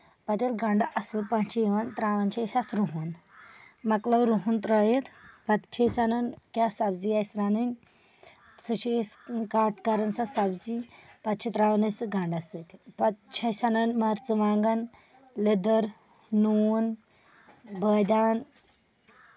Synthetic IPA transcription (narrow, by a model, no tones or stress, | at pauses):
pɐt̪elɡãɳɖaʔɐsɨlpãnt͡ʃʰiiʋant̪ɾaːʋɐnt͡ʃʰɐsat̪ʰɾuɦun | mɐklɐwɾuɦunt̪ɾəːjet̪ʰpɐt̪t͡ʃʰesanɐnkʲjasɐbzijajsɾaːninʲ | sɨt͡ʃeskaːʈkaɾɐnsasɐbzipɐt̪̚t͡ʃʰit̪ɾaːʋɐnɐsɨɡaɳɖasət̪ipɐt̪̚t͡ʃʰɐjsanɐnmaɾt͡sɨʋaːŋɡɐn | led̪əɾ | nun | bəd̪aːn